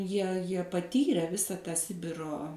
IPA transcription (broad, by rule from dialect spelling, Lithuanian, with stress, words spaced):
ˈjiɛ ˈjiɛ pɐˈtʲiːrʲɛ ˈʋʲɪsɐ tɑː ˈsʲɪbʲɪroː